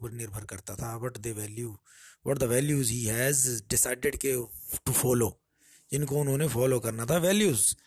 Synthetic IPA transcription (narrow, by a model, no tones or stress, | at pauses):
pəɾnɪɾbʱəɾkəɾt̪at̪ʰaːbəʈd̪eʋɛːljuː | bəʈ̚d̪əʋɛːljuːzɦiːɦɛːzɖɪsaɪɖɪɖkeʈufɔːloː | d͡ʒɪnkoʊnõːnefɔːloːkəɾnaːt̪ʰaːʋɛːljuːz